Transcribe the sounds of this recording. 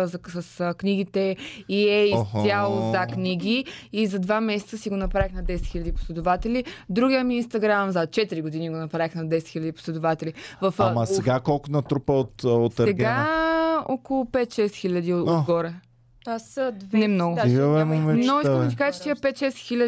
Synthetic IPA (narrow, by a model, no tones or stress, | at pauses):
zɐsəsəkniɡit̪ɛiɛissjalˠozɐkniɡʲiizɐd̪vamɛsɛ̥t̪səsiɡonɐpɾaixnɐd̪ɛsɛt̪xilʲɐd̪ipʊ̥slɛd̪ʊvat̪ɛlʲid̪ɾuɡijəmiːnst̪ɐɡɾamzɐt͡ʃɛt̪iɾiɡʊd̪iniɡonɐpɾaɛxnɐd̪ɛsɛt̪xilʲəd̪ipo̥slʲɛd̪ʊvat̪ɛlʲivɐfamɐsɛɡakɔlˠkʊnɐt̪ɾupəot̪ot̪ɛɡa | ɔkolˠʊpɛt̪ʃɛst̪xilʲɐd̪iodɡɔɾɛ | asd̪vnɛmnɔɡʊɛmomɛnoikəmɛt̪i̥kat͡ʃɛ̥t̪iəpɛt̪ʃɛst̪xilʲɐ